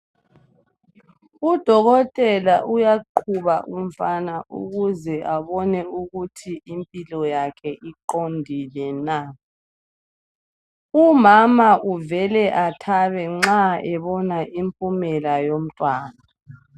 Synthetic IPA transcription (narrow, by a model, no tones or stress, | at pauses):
ud̥ʱɔɣɔtʼɛlaʔujaǃʰuβaʔum̩fanaʔṵɣuzɛʔaβɔnɛuɣutʰiimpʼilɔjakʰɛʔiǃondʱilɛna | umamaʔuvɛlɛʔatʰaβɛŋ͡ǁaɛβɔnaʔimpʼumɛlajom̩tʼwaːna